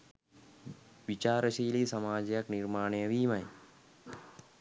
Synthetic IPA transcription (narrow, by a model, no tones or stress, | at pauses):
ʋit͡ʃaːɾɐʃiːlisɐmaːd͡ʒjɐkniɾmaːɳejɐʋiːmɐj